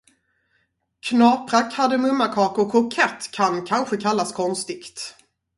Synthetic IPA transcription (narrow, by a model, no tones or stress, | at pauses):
kʰnɑːpɾakʰad̪əmɵmːakʰɑːkɔkʰːʊkʰɛt̪ːkʰankʰanɧəkʰalːaskʰɔnst̪ɪkt̪